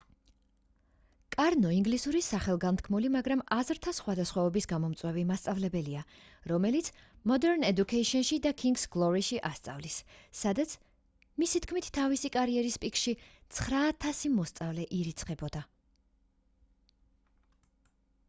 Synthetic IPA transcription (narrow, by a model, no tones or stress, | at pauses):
kʼaɾnɔiŋɡlisuɾisaχɛlˠɡant̪ʰkʰmulimaɡɾamazɾt̪ʰasχwad̪asχwaɔbisɡamɔmt̪sʼwɛvimast̪sʼavlɛbɛlia | ɾɔmɛlit̪sʰmɔd̪ɛɾnɛd̪ukʼʰɛiʃɔnʃid̪akʰiŋɡsɡlˠɔɾiʃiʔast̪sʼa̰vlisːad̪at̪sʰ | misit̪ʰkʰmit̪ʰt̪ʰːavisikʼaɾiɛɾispʼikʼʃit̪sʰχɾaːt̪ʰasimɔst̪sʼavlɛʔiɾit̪sʰχɛbɔd̪a